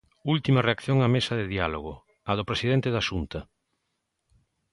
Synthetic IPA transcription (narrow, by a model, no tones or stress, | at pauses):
ult̪imɐreakθjoŋamesɐðɪðialoɣʊ | ɐðʊpɾesiðent̪eðaʃunt̪ɐ